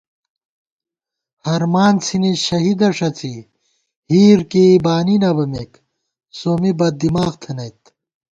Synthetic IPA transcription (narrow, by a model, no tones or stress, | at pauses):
hɐɾmaːnt͡sʰiniɕɐɦid̪ɐʂɐt͡si | hiːɾkebaːninɐbɐmek | soːmibɐd̪imaːɣt̪ʰɐnɐjt̪